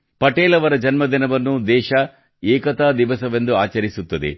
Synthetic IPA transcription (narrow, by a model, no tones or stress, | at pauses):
pɐʈeːlɐʋɐɾɐd͡ʒɐnmɐd̪inɐʋɐnːud̪ɛːʃɐ | ɛːkɐt̪aːd̪iʋɐsɐʋe̞nd̪uaːt͡ʃɐɾisut̪ːɐd̪ḛ